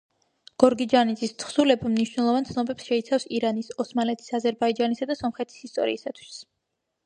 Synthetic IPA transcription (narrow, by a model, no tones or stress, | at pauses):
ɡ̥ɔɾɡid͡ʒanit̪sʼist̪ʰχsulɛbamniʃwnɛlˠɔvant̪sʰnɔbɛpsʃɛit̪sʰafsiɾanisɔsmalɛt̪ʰi̥sazɛɾbaid͡ʒanisad̪asɔmχɛt̪ʰi̥sist̪ʼɔ̰ɾḭːsat̪ʰwi̥s